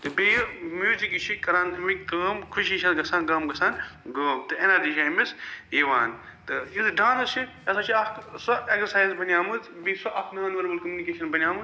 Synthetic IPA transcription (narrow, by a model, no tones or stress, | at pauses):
t̪ɨbejmjuːzikit͡ʃʰikɐɾaːnt̪mikkɐːmkʰuʃit͡ʃʰɐt̪ɡɐsaːnɡɐːmɡɐsaːnɡɐːmt̪ɨenaːd̪iʃaːjmisiːʋaːn | t̪ɨizɖaːnɐt͡ʃʰi | ɐsat͡ʃʰiɐksɐeksɐɾsaːjzbɐnʲjaːmɨzbiːsɐʔɐkʰnaːnʋɐɾbɐlkɐmunikeːʃɐnbɐnʲjaːmɨz